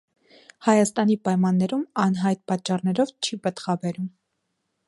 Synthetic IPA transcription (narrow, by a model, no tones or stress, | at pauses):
hɑjɑst̪ɑnipɑjmɑnːɛɾumɑnɦɑjt̪̚pɑt͡ʃːɑrnɛɾɔvt͡ʃʰibət̪χɑbɛɾum